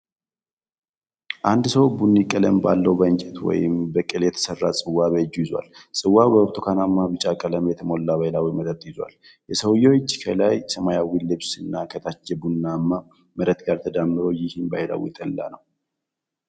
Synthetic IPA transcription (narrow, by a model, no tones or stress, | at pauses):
ʔand̪səwbunːikʼːələmbalːəwbəɨɲt͡ʃʼɛt̪wɔ̰jɪmbəkʼɨljɛt̪ʰə̥sərːasʼɨwːaβəd͡ʒujɪzwa̰lsʼɨwːabəoɾt̪ʰokʰanamːabɨt͡ʃʼakʼələmjɛt̪ʰəmo̞lːaβalawiməɾət̪ʼjɪzwa̰l | jɛsəwjoɪt͡ʃːkʰəlajsəmajawilɨβsɨnːakʰət̪ʰat͡ʃːɛbunːamːa | məɾət̪ɡaɾt̪ʰəd̪amːɨɾo̞jɪhɪnbahɪla̰wḭt̪ʼəllːa̰nəw